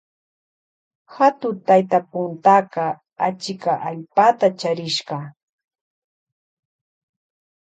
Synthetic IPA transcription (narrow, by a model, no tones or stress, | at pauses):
hat̪ʊt̪ajt̪apʊnt̪aqɑ | at͡ʃɪkaʔaʎpat̪at͡ʃaɾɪʃɢɑ